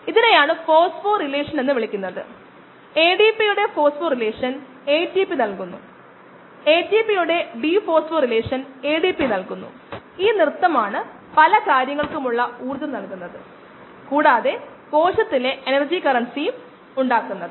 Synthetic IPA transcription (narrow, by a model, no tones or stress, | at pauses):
iðinejaːɳɨfo̞ːsfoːrile̞ːʂɐne̞nːɨʋiɭikʲːunːɐðɨ̰ | e̞ːɖipijuɽe̞fo̞ːsfoːrile̞ːʂɐn | e̞ːtipinɐlkunːu | eːtipijuɽe̞ɖiːfo̞ːsfoːrile̞ːʂɐne̞ːɖipːinɐlkunːṵ | iːnirɨt̪ːɐmaːɳɨ | pɐlɐkaːɾjɐŋːɐɭkumuɭːɐuːrðɐmnɐlkunːɐðɨ̰ | kuːɽaːðe̞ | ko̞ːʂɐt̪ːile̞ʔenɐrd͡ʑikɐrɐnsijum | uɳɖaːkːunːɐðɨɨ